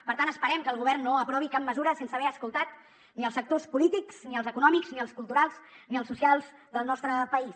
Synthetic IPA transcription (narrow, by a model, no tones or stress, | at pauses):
pəɾt̪anəspəɾɛmkəlˠɣuβ̞ɛrnːoəpɾɔβikap̚məzuɾəsensəβɛɾəskulˠt̪at̪ | niəlˠsək̚t̪ospulit̪ikzniəlˠzəkunɔmikzniəlˠskulˠt̪uɾalˠz̥niəlˠsːusialˠzd̪əlˠnɔst̪ɾəpəis